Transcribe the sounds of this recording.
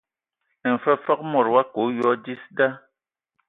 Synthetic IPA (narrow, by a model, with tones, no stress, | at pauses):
ɛ˨n˨fə˦fɔ˦k̚mɔ˨ɾwa˦ko˨˦jɔ˦di˦sda˦